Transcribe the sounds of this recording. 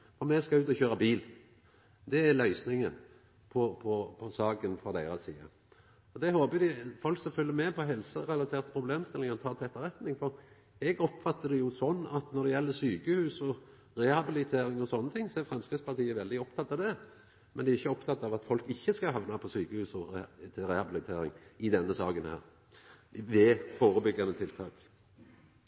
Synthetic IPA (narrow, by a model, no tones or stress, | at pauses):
fɔɾmɛskɑʉːt̪ɔçøːɾɑbiːl | d̪ɛælœʏsnɪŋən | pʰɔpʰɔpʰɔsɑːkənfɔd̪æɪɾɑsḭːə̰ | ɔd̪ɛhoːbəd̪ɪfɔlksɔfʏlːəɾmɛpʰɔɦɛlsəɾɛlɑt̪ʰeːʁt̪pʰɾʊbleːmst̪ɪlɪŋənt̪ʰɑːt̪ʰɛt̪ːəɾʁɛt̪nɪŋfɔɾ | ɛɡɔpfɑt̪ːəd̪ɛjʊsɔnːɑt̪nɔɾd̪ɛjɛlːəsyːkəhʉːsɔ | ʁɛhɑbɪlɪt̪ʰeːɾɪŋɔsɔnːət̪ʰɪŋsɔæɾfɾɛmskʁɪspɑʁt̪ʰiːəʋɛld̪ɪɔpt̪ʰɑt̪ːɑʋd̪ɛ | mɛnd̪ɛæɾɪçːəɔpt̪ʰɑt̪ːɑʋɑt̪fɔlkɪçːəskɑɦɑʋnɑpʰɔsyːkəhʉːsɔɛt̪ʰɾɛhɑbɪlɪt̪ʰḛːɾɪ̰ŋɪd̪ɛnːəsɑ̰ːɡənhæ̰ːɾ | ʋɛfoːɾəbʏɡːɑnət̪ʰɪlt̪ʰɑ̰ːk